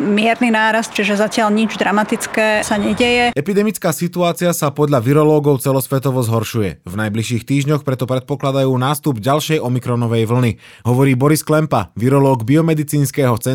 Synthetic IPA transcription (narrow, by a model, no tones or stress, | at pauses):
mɪɛɾninaːɾast̪̚t͡ʃiʒɛzacɪalɲid͡ʒd̪ɾamat̪it͡skɛːsaɲɛɟɛjɛɛpid̪ɛmit͡skaːsit̪uaːt͡siasapɔd̪ʎaʋiɾɔlɔːɡɔʊt͡sɛlɔsʋɛt̪ɔʋɔzɦɔɾʃujɛ̰vnajbliʃiːxt̪iːʒɲɔxpɾɛt̪ɔpɾɛt̪̚pɔklad̪ajuːnaːst̪ubɟalʃɛjʔɔmikɾɔnɔʋɛjʋl̩ni | ɦɔʋɔɾiːbɔɾisklɛmpa̰ʋiɾɔlɔːɡbiɔmɛd̪it͡siːnskɛːɦɔt͡sɛ